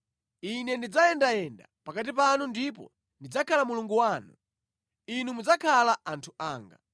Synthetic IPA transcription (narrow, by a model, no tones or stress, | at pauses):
inɛndid͡zajɛndajɛndapakat̬ipanundipɔ̰ | ndid͡zakʰalamuluŋɡuwaːnu | inumud͡zakʰalaʔantʰuaːŋɡa